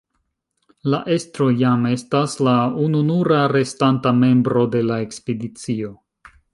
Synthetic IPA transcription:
laʔe̞stɾo̞jame̞staslaununuɾaɾe̞stantame̞mbɾo̞de̞lae̞kspedit͡sio̞

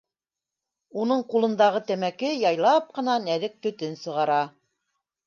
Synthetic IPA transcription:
unɤɴqulˠɤ̆nd̪ɑʁɤt̪æmækɘjɑjlˠɑp̚qɤ̆nɑnæðɘk̚t̪ɵ̆t̪ɘnsɤ̆ʁɑɾɑ

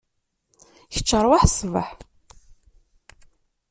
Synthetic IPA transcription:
çə̥t͡ʃːəɾˤwaħsvə̰ħ

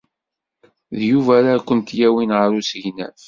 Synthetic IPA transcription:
ðjuvæɾakʷːənt̪jæwinʁəɾusəʝnæ̰θ

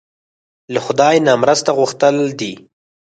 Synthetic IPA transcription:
laxʊd̪ɑjnamɾəst̪aɣʊxt̪əld̪i

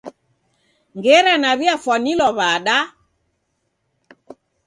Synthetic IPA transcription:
ŋɡɛɾanaβjafwɔnilɔβaɗa

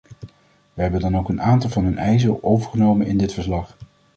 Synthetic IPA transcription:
ʋəɦɛbəndɑnowkənaːntɑlˠvɑnɦɵnɛjzəɹowvəɹχənowmənɪndɪtfəɹslɑχ

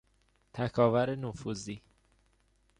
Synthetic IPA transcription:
t̪ʰækʰɒːvæɾenofuziː

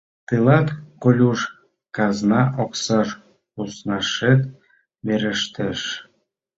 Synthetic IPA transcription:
t̪ɨlɑt̪kolʲuʃ | kɑznɑʔoksɑʃ | usnɑʃet̪ | βeɾəʃt̪eʃ

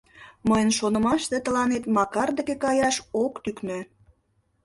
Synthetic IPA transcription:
məjənʃonəmɑʃt̪et̪əlɑnet̪mɑkɑrd̪ə̆kekɑjɑʃokt̪yknø

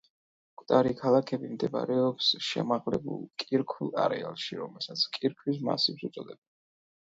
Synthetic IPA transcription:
kʰʼwd̪ʼaɾikʰalˠakʰɛbimd̪ɛma̰ɾɛɔpsʃɛmaʁlɛbṵlˠkʼiɾkʰulˠa̰ɾɛalˠʃiɾɔmɛlˠsat̪sʰkʼiɾkʰwis̬ma̰sipsut̪sʼɔd̪ɛba

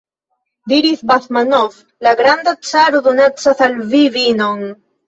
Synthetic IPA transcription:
d̪iɾiθbaθmanov | laɡɾand̪at͡ʃaɾuðunat͡ʃaθalviβinoŋ

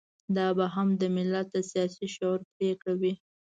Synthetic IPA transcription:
d̪ɑbaɦamd̪əmɪlat̪̚d̪əsijɑsiʃoɾpɾekɽawi

